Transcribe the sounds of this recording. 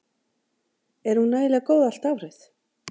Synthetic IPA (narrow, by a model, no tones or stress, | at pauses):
ɛɾ̥hunːaːjlɪkoːwðal̥t̪avrɪθ